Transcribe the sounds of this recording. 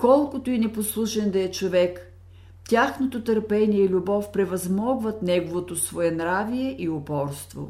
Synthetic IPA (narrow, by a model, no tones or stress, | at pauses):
kɔlˠkʊt̪oinɛposlˠuʃɛnd̪ɐɛt͡ʃovɛk | tʲaxnot̪ot̪əɾpɛnʲijɛilʲʊbɔfpɾɛvɐzmɔɡvɐt̪nɛɡovot̪osvoɛnɾavijɛʔiʊpɔɾst̪vo̰